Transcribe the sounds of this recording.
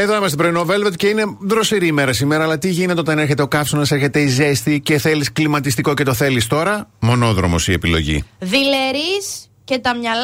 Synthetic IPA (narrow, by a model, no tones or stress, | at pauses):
eðonɐmɐst̪ibɾoinove̞lvet̪ceine̞ðɾo̞siɾiːme̞ɾɐsimeɾɐːlɐt̪iʝinet̪eo̞t̪ɐne̞ɾçe̞t̪eo̞kɐfsunɐseɾçe̞t̪e̞ize̞st̪ice̞θe̞lisklimɐt̪ist̪iko̞cet̪o̞θe̞list̪o̞ɾɐmo̞no̞ðɾomo̞̰siepilo̞̰ʝḭðileɾis | ce̞t̪ɐmɲɐl